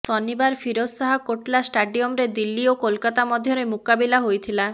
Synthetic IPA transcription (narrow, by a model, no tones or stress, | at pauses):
sɔnːibaɾfiɾossaɦakoʈlasʈaɖiomɾed̪ilːiokolkat̪amɔd̪ʱːjoɾemukabilaɦojt̪ʰila